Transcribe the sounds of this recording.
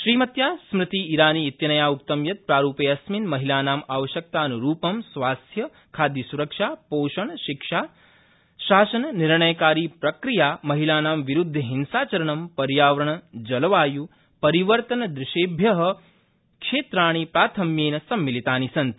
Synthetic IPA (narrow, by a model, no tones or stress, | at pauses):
ʃɾiːmɐt̪jaːsmɾɪt̪iːɾaːniːt̪jɐnɐjaːuk̚t̪ɐmjɐt̪̚pɾaːɾuːpeːɐsminmɐɦilaːnaːmaːʋɐʃjɐk̚t̪aːnuɾuːpɐmsʋaːst̪ʰjɐ | kʰaːd̪jɐsuɾɐkʂaːpoːʃɐɳɐʃikʂaː | ʃaːsɐnɐniɾɳɐjɐkaːɾiːpɾɐkɾijaːmɐɦilaːnaːmʋiɾud̪ʱːɐɦinsaːt͡ʃɐɾɐɳɐmpɐɾjaːʋɐɾɐɳɐd͡ʒɐlɐʋaːju | pɐɾiʋɐɾt̪ɐnɐd̪ɾɪʃeːbʱjɐɦɐ̆ | kʂeːt̪ɾaːɳ̃ipɾaːt̪ʰɐmjeːnɐsɐmːilit̪aːnisɐnt̪